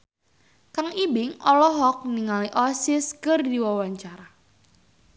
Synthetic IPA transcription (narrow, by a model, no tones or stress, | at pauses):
kaŋibɪŋɔlɔɦɔk̚niŋaliʔɔsɪskərdiwawaɲt͡ʃaɾa